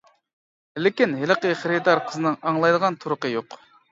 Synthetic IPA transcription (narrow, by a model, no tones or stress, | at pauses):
lɪkʲinɦeləqəχəɾɨd̪ɑɾqʰəzɨnɨŋɑŋlˠɑjd̪əʁɑnt̪ʰuɾʊqəjoq